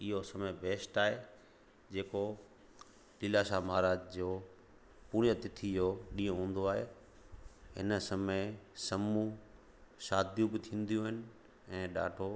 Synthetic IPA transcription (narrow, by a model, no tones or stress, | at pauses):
ɪɦosɐməbeːsʈaːɦe | d͡ʑeːko | lɪlaʃamaːɾaːd͡ʑd͡ʑoː | puːɽ̃jət̪ɪt̪ʰid͡ʑoːɗĩːõɦũːn̆d̪oaːɦe | ɦɪ̰nsɐməɪsɐmũ | ʃaːd̪jũbɪt̪ʰĩːn̆d̪ijũɦɪnɪ̆ | ɛ̃ːɗa̰ːɖʰʱo